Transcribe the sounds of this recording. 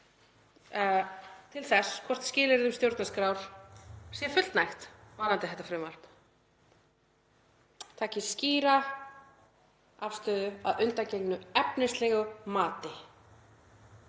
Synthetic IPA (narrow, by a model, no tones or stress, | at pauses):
t̪ʰɪlθɛskʰvɔr̥t̪scɪːlɪɾðʏmst̪jowɾt̪naskɾawɾ̥sjɛfʏt̪l̥t̪najxt̪vaːnant̪ɪθɛht̪afɾɪːmaɾ̥pn | t̪ʰaːcɪsciːɾa | afst̪ʏːðʏaðʏnt̪acejknʏɛpnɪst̪lɛɣʏmaːt̪ɪ